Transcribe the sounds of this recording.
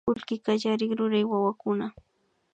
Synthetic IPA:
ʊlkɪkaʒaɾɪŋɾʊɾajwawakʊna

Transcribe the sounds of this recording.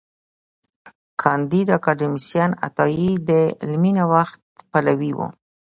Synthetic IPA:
kʰɑnd̪id̪akɑɖɪmisjɑna̰t̪ɑjid̪əlminawaxt̪̚palawiwṵ

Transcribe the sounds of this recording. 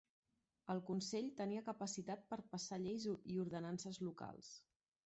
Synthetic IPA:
əlˠkunseʎt̪əniəkəpəsit̪at̪̚pəɾpəsaʎejzuiuɾðənansəzluka̰lˠs

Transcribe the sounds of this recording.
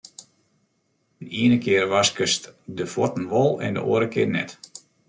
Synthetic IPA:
niənəkɪərʋaskəstdəfɔtən̩ʋɔlˠɛ̰ndə̰ʔo̰ːəɾəkɪənɛ̰t

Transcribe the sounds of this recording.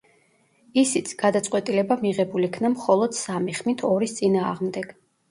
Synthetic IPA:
isit̪sʰɡ̥ad̪at̪sʼqʼwɛt̪ʼilɛbamiʁɛbulikʰnamχɔlˠɔd̪̥samiχmit̪ʰɔɾist̪sʼinaːʁmd̪ɛɡ̥

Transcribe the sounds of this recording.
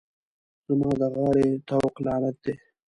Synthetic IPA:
z̥amɑ̃ːd̪əɣaːɾet̪awqlɑːɾat̪̚d̪eː

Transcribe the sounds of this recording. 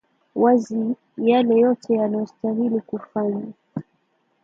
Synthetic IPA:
wazi | jalɛjɔtʰɛjanajɔstaɦilikufaɲa

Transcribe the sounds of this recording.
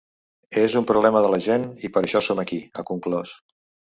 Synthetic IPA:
ezumpɾuβlɛməðələʒenipəɾəʃɔsoməkiə̰kuŋklɔs

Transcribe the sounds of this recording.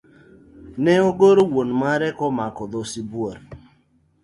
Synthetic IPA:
nɛoɡoɾowonmaɾɛkɔmakɔd̪osibwoɾ

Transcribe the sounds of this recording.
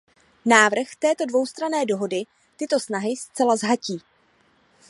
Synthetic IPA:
naːvr̩xt̪ɛːt̪o̞dvo̞wst̪ɾanɛːdo̞ɦo̞dɪ | t̪ɪt̪o̞snaɦɪst͡sɛlazɦaciː

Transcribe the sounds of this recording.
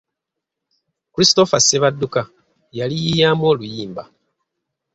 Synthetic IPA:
kuɾisto̞faseβadːuka | jalijijaːmo̞ːlujiːmba

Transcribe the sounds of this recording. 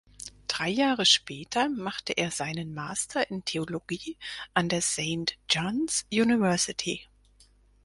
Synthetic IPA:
d̥ʁaɪjaːʁəʃpʰɛːtʰɐmaχtəʔeːɐzaɪnənmaːstʰɐʔɪntʰeoloɡiːʔandeːɐseɪntd͡ʒɔnsjuːnɪvɛɐsɪtʰḭ

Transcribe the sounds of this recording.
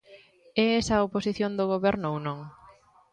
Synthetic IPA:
ɛɛsɐoposiθjond̪oɣoβɛɾnownõŋ

